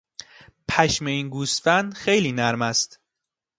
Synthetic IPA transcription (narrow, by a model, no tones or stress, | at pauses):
pʰæʃmeiːnɡuːst̪fænd̪xe̞jliːnæɾmæst̪